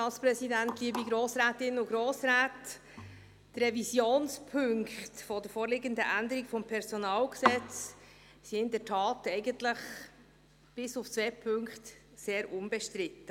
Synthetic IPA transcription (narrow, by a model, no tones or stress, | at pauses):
ɑːspɾɛsidæntliːbiɡɾoːsɾæːtɪnʊɡɾoːsɾæːt | d̥əɾɛvisjoːnspʰʏŋkχtfɔdəɾfoːɾlɪɡəndəʔænd̪əɾiɡfɔmpʰɛɾsɔnɑːlksɛt͡s | siɪndətʰɑːtɛɪɡəntləχ | b̥ɪsʊft͡sveːpʰʏŋkχt | seːɾʔʊnbɛʃtɾɪtːə